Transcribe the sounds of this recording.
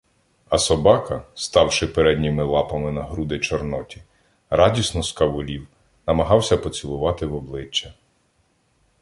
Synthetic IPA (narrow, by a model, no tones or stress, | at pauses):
ɐsɔbɑkɐst̪ɑwʃɪpeɾɛd̪ʲnʲimɪlˠɑpɐmɪnɐɦɾud̪ɪt͡ʃɔrnɔtʲi̥ | ɾɑdʲisnɔskɐʋʊlʲiw | nɐmɐɦɑwsʲɐpɔt͡sʲilˠʊʋɑt̪ɪwɔblˠɪt͡ʃːɐ